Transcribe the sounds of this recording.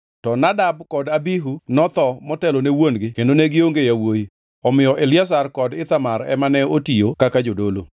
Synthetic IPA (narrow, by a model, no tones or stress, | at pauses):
tɔnadab̚kɔdabiɦunɔt̪ɔmɔtɛlonewonɡɪkendoneɡɪoŋɡejawoji | ɔmɪjɔʔelɪas̬arkɔdɪt̪amaɾɛ̰manɛotijokakad͡ʒodolo